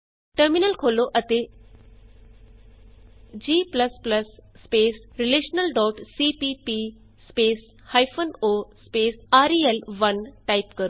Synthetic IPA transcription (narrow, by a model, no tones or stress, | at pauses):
ʈəɾminəlkʰoːloʔɐt̪e | d͡ʑiːpləspləsːpeːsɾileːʃnəlɖɔːʈsipipi | speːs | haːjfʰənoːspeːsaːɾiːelʋɐnʈaːipkəɾo